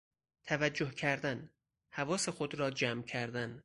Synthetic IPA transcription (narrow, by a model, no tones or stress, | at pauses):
t̪ʰævæd͡ʒːohkcʰæɾd̪æn | hævɒːse̞xod̪ɾɒːd͡ʒæmcʰæɾd̪æn